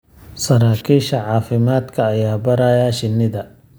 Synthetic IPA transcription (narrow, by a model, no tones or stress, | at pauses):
sɐɾaːkʰiːʃɐʕɑːfɪmaːd̪kʰɐːjaːbɐɾajaːʃɪnːɪðɐ